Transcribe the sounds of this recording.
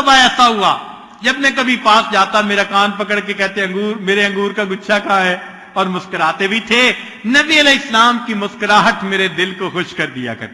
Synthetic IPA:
ɐbaɛːsaɦʊaː | d͡ʒɐbmɛ̃kɐbʱipaːsd͡ʒaːt̪ameːɾakaːnpɐkəɽkekɛɦt̪ẽɐ̃ŋɡuːɾmeːɾeɐ̃ŋɡuːɾkaɡʊtːʃʰakaːɦɛː | ɔːɾmʊskəɾaːt̪ebʱit̪ʰeː | nɐbiɐlɛːɪsəlaːmkimʊskəɾaːʈ̪meːɾed̪ɪlkoxʊʃkɐɾd̪ija̰kɐ̰ɾ

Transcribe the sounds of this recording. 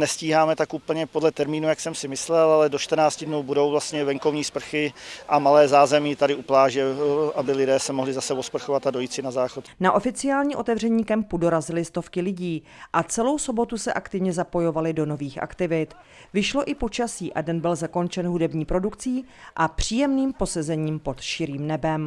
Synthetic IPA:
nɛsciːɦaːmɛt̪akʔuːpl̩ɲɛpodlɛt̪ɛɾmiːnujaksɛmsɪmɪslɛlalɛdot͡ʃt̪rnaːt͡scɪdnuwbudowvlast̪ɲɛvɛŋkovɲiːspr̩xɪʔamalɛːzaːzɛmiːt̪adɪʔuplaːʒɛʔabɪlɪdɛːsɛmoɦlɪzasɛvospr̩xovat̪adojiːt͡sɪnazaːxot̪naʔo̞fɪt͡sɪaːlɲiːʔo̞t̪ɛvr̝ɛɲiːkɛmpudo̞ɾazɪlɪst̪o̞fkɪlɪɟiː | ʔat͡sɛlo̞wso̞bo̞t̪usɛʔakt̪ɪvɲɛzapo̞jo̞valɪdo̞no̞viːxʔa̰kt̪ɪvɪt̪ | vɪʃlo̞ʔɪpo̞t͡ʃasiːʔa̰dɛnbɪlzako̞nt͡ʃɛnɦudɛbɲiːpɾo̞dukt͡siː | ʔapr̝̥iːjɛmniːmpo̞sɛzɛɲiːmpo̞t̪ʃɪɾiːmnɛbɛm

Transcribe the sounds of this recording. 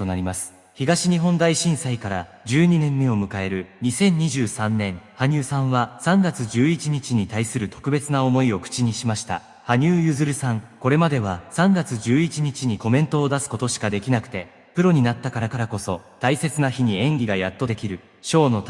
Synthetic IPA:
onaɾʲimasɨ̥ | çiɡaɕiɲ̟iɦõ̞nd̪aiɕĩɰ̃saikaɾa | d͡ʑɨːɲ̟inẽ̞mːe̞o̞mɯ̟kae̞ɾɯ̟ɲ̟isẽ̞ɲ̟ɲːiʑɨːsãnːẽ̞haɲ̟ɨːsãɰ̃βasãŋɡat͡sɨʑɨːit͡ɕiɲ̟it͡ɕiɲ̟it̪aisɨɾɯ̟t̪o̞̥kɯ̟be̞t͡sɨnao̞mo̞io̞kɯ̟̥t͡ɕiɲ̟iɕimaɕi̥t̪a̰ | haɲ̟ʲɨːjɯzɨɾɯ̟sãŋko̞ɾe̞mad̪e̞β̞asãŋɡat͡sɨʑɨːit͡ɕiɲ̟it͡ɕiɲ̟iko̞mẽ̞nt̪o̞ːd̪asɨ̥ko̞t̪o̞ɕi̥kad̪e̞kʲinakɯ̟̥t̪e̞ | pɯ̟ɾo̞ɲ̟inat̪ːakaɾakaɾako̞so̞t̪aise̞t͡sɨnaçiɲ̟iẽ̞ŋɡʲiɡajat̪ːo̞d̪e̞kʲiɾɯ̟ | ɕo̞ːno̞

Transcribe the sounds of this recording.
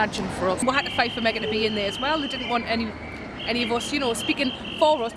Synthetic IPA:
ad͡ʒɨ̃nfə˞ʌswʌɦatəfeɪfəmɛɡʌnəbiɪ̃nðə˞ɨzwɛlˠðedɪdⁿn̩ʔwɒ̃ntɛni | ʔɛɾiʌvʌsjɨñoʊspikɪ̃n | fəɹʌs

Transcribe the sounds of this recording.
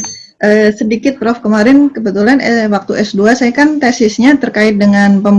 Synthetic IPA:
ʔəːsədikɪt̪̚pɾɔfkəmaɾɪnkəbət̪ulanɛwak̚t̪uʔɛsduasajakant̪ɛsɪsɲat̪ərkaɪt̪̚dəŋanpəm

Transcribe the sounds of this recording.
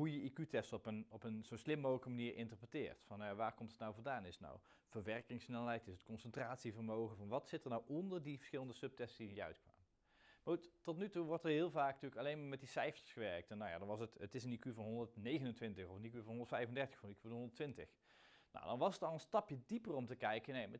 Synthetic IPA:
ɦujəikytɛstɔpənɔpənzonslɪmːowɣləkəmaniːɹʔɪ̰ntəɹprətɪ̰ːɹtfɑnːawjaʋaːɹkɔmtətnawvʊndaːnɪsna̰w | v̥əɹʋɛrkɪŋsnɛlˠɛjtɪsət̚kɔnsəntraːtsivəɹmowχəvɑnʋɑtsɪtəɹnawʔɔndəɹdivə̥ɹsχɪlˠəndəsɵp̚tɛstsdijəœ̰ɥtkʋa̰ːmə | maːɹχuttɔtnytuʋɔɹtəɹɦɪːlˠvaːkntyːɹəkɑlejnmaːɹmɛt̚disɛjfə̥ɹsχəʋɛɹk̚tɛnːawja̰dɑnʋɑsətətɪsənikyvɑnɦɔndəɹtnejɣənəntʋɪntəxɔfənikyvɑnɦɔndətfɛjvəndɛɹtə̥xfɔniky̥ɦɔndəɹtʋɪntə̰x | na̰wdɑnʋɑsətɑlˠənstɑpjədipərɔmtəkɛjkənemɛ

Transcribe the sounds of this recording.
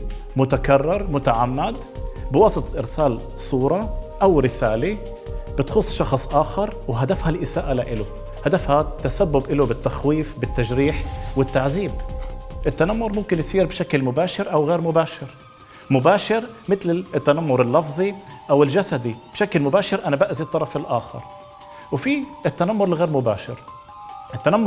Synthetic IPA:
mʊt̪akarˤːɑɾˤmʊt̪aʕamːad̪ | bɪwɑːsˤɨt̪ˤɑʔɪɾsaːl | sˤuːɾˤɑʔawɾɪsaːle | b̥ɪt̪xʊsˤːʃɑxsˤʔaːxɑɾˤwɦad̪afhalʔɪsaːʔalaʔɪlʊ | had̪afhat̪ːasabːʊbʔɪlʊbɪt̪ːaxwiːfbɪt̪ːaʒɾiːħwɪt̪ːaʕziːbʔɪt̪ːanamːʊɾˤmʊmkɪnjsiːɾbʃaklmʊbaːʃɪɾʔawɣeːɾmʊbaːʃɪɾ | mʊbaːʃɪɾmɪt̪lɪt̪ːanamːʊɾˤɪlːɑfzˤiʔawɪlʒasad̪ib̥ʃaklmʊbaːʃɪɾʔanabaʔzit̪ˤːɑɾˤɑfɪlʔaːxɑ̰ɾˤ | wfiɪt̪ːanamːʊɾɪlɣeːɾmʊbaːʃɪɾ | ʔɪt̪ːanamː

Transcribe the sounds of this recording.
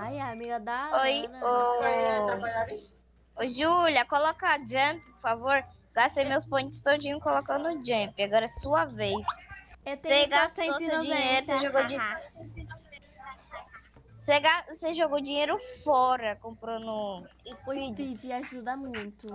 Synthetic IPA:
ajamiɡɐd̪aojo | oʒuljɐkolɔkɐad͡ʒɐ̃ppoɾfavoɾ | ɡast̪ejmewspõt͡ʃɪ̥st̪od͡ʒĩɲʊkolokɐ̃d̪ʊʊd͡ʒɐ̃piaɡɔɾɐɛsuɐvejseseɡastẽosewd͡ʒiɲejɾʊseʒoɡowd͡ʒi | seɡaseʒoɡowd͡ʒĩɲejɾʊfɔɾɐkõmpɾɐ̃nʊ | iid͡ʒiaʒud̪ɐmũj̃t̪ʊ

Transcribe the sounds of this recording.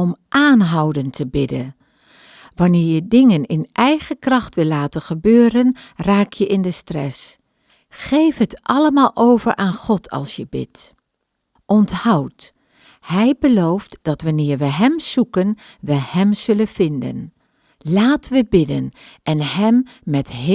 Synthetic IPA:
ɔmʔaːnɦawdəntʰəbɪdə | ʋɑnɪːɹjədɪŋənɪnʔɛjχəkrɑχtʋɪlːaːtənχəbøːɾənraːkjəʔɪndəstrɛ̰s | χejfɦətʔɑləmaːlˠʔowvəɹʔaːnχɔtʰɑ̰lˠsjəbɪ̰t | ʔɔnthɑwt | hɛjbəlowftd̥ɑtʋɑnɪːɹʋəɦɛmz̥ukənʋəhɛmz̥ɵlənv̥ɪndə̰n | laːtʋəbɪdənʔɛnɦɛmːɛtɦ

